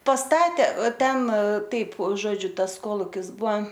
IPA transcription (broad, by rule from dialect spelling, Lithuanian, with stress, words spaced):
pɐsˈtɑːtʲeː oː ˈtʲɛn ˈtɐɪp ˈʒoːd͡ʒʲʊ ˈtɐs ˈkoːlˠʊkʲɪs ˈbʊɐ